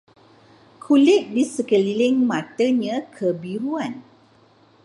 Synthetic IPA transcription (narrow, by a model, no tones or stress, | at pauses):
kʰulɪk̚disəkəlilɪŋmãt̪əɲə̃kʰəbiɾuan